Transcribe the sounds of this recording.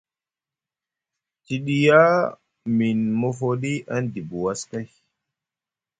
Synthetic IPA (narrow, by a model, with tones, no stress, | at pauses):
ti˨ɗi˦ja˦ | mi˨nmɔ˦fo˦ɗi˦ʔa˦ndi˨bu˨wa˦ska˦j